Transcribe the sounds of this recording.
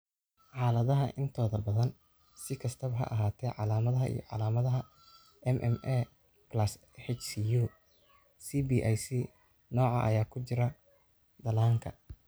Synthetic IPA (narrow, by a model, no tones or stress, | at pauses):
ħɑːlɐðɐɦɐʔɪnt̪ʰɔːðɐbɐðɐn | sɪkʰɐst̪ʰɐβɦɐ̰ʔɐɦaːt̪ʰɛʕɑlaːmɐðɐɦɐʔḭjɔ̰ʕɑ̰laːmɐðɐɦɐ | ɛmʔɛ̰mʔɛ | blɐs | hɛt͡ʃsiju | siːbiʔajsi | nɔːʕɑ̰ʔɐ̰jaːkʰʊt͡ʃɪɾɐ | d̪ɐlaːŋkʰɐ̰